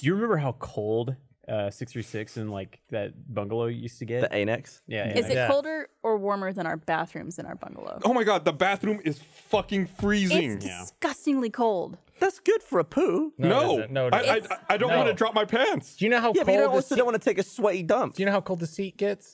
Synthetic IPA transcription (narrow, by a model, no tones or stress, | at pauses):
d̥ɨjɨɹɨmɛ̃mbə˞ɦaʊkʰoʊlˠd̚ | ʌsɪksθɹisɪksɨ̃nla̰ɪkðɨ̰t̚b̥ʌ̃ŋɡəlˠoʊjʉstʰɨɡɛðiʔḛɪnɛksjæɨzɨt̚koʊlˠdə˞ʔə˞wɔɹmə˞ðɨ̃ɾ̃aʊə˞bæθɹʉ̰̃mzɨ̃na̰ʊə˞bʌ̰̃ŋɡə̰l̩ˠo̰ʊoʊmaɪɡɑd̪̚ðəbæθɹʉ̃mɪz̥fʌkɪ̃ŋfɹizɪ̃ŋdɨ̰skʌstɪ̃ŋlikʰoʊlˠd̥ | ðætsɡ̥ʊd̥fə˞əpʰunoʊnaɪaɪaɪdõʊ̃nʔwɑ̃nɨdɹɑp̚maɪpʰæ̃nsd̥ɨjɨnoʊɦaʊjæbʌjõnwsõñwɑ̃nəɨtʰeɪkɨswɛɾidʌ̃mpɨjɨnoaʊkʰoʊlˠd̪̚ðɨsit̚ɡ̥ɛts